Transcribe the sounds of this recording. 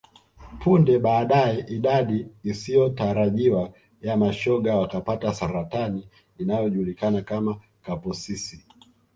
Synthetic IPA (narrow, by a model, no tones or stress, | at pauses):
pʰundɛɓaːɗaɛʔiɗaɗiːsijɔtaɾaʄiwa | jamaʃɔɠawakapatasaɾataniː | najɔʄulikanakama | kapɔsisi